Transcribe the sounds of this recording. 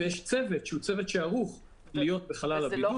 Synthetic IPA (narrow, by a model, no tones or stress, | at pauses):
jeʃt͡seve̞t̪ʃeut͡se̞vet̪ʃeaʁuχ | lijo̞t̪̚beχalalabiu